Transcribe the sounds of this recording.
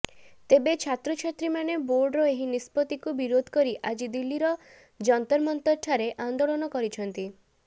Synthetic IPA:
t̪ebet͡ʃʰat̪ɾɔt͡ʃʰat̪ɾimaneboɾɖɾɔeɦinispɔt̪ikubiɾod̪ʱɔ̥kɔɾiʔad͡ʒid̪ilːiɾɔ | d͡ʒɔnt̪ɔɾmɔnt̪ɔʈʰaɾeʔand̪oɭɔnɔkɔɾit͡ʃʰɔnt̪i

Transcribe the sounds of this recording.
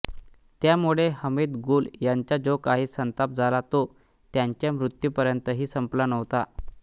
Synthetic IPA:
t̪jamuɭeɦəmiːd̪ɡuːljaɲt͡ɕad͡zokaɦiːsənt̪ap̚d͡zʱalat̪o | t̪jaɲt͡ɕjamɾut̪jupəɾjənt̪əɦiːsəmplanəʋt̪a

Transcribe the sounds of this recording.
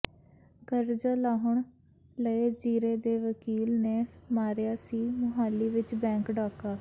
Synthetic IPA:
ɡəɾd͡ʒəːlaːɦʊɳ | ləeːd͡ʒiːɾeːd̪eːʋəkiːlneːmaːɾjaːsiːmʊɦaːlːiːʋɪt͡ʃbɛ̃ːŋkɖaːkaː

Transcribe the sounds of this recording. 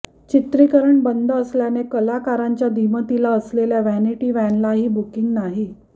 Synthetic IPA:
t͡ɕit̪ɾikəɾəɳbənd̪ʱəːsljanekəlakaɾaɲt͡ɕjad̪ʱimət̪ilaəsleljaʋæniʈiːʋɛnlaɦiːbukiŋɡnaɦi

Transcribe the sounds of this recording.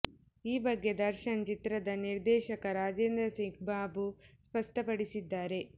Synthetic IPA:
iːbɐɡːe̞d̪ɐɾʃɐnt͡ʃit̪ɾɐd̪ɐniɾd̪ɛːʃɐkɐɾaːd͡ʒeːnd̪ɾɐseŋk̚baːbuspɐʂʈɐpɐɽisid̪ːaːɾe̞

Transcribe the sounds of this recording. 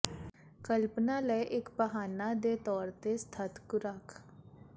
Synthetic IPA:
kəlpnaləjʔɪkbəɦaːnad̪et̪ɔːɾt̪est̪ʰət̪kʊɾakʰ

